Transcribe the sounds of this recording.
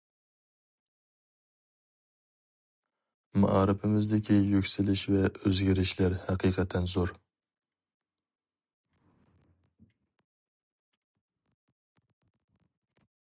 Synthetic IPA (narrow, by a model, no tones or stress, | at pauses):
ma̰ʔɑːɾɨpʰɪmɪzd̪ɪkʲʰijøkʲsɪlɪʃvɛøzɡʲɪɾɪʃlæɾhæqʰijqʰɛt̪ʰːɛnzoɾ